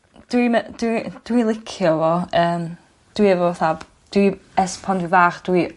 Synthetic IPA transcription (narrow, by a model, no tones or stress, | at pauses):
d̥wiməd̥wid̥wilˠɪkʰjɔvɔəːm | d̥wiɛvɔθab̥ | d̥wiɛspʰɔndwivaːχd̥wi